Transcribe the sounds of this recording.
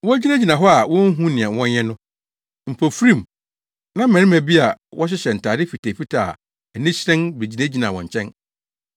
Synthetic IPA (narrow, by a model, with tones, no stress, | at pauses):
wɔ̃˦d͡ʑi˦næ̃˦d͡ʑi˨nã˨ɦɔ˦a˨wɔ̃˦n̩˦ɦũ˦nɪ̃˨ã˨wɔ̃˦n˦ɛ̃˦nʊ̃˦ | m̩˨pʰo˨fɾĩ˦˨m | nã˦m̩˦mɛ̃˨ɾɪ̃˦mæ̃˨bi˦a˨wʔɔ˦ɕ̬ɪ˦ɕɛ˨n̩˨tʰaː˨dɪ˦fi˨tʰe˨fi˦tʰa˨ | æ˨nĩ˦ɕɾɛ̃˦nbe˨d͡ʑi˨næ˦d͡ʑi˨nã˨wɔ̃˨ɲ˨t͡ɕʰɛ̃˦n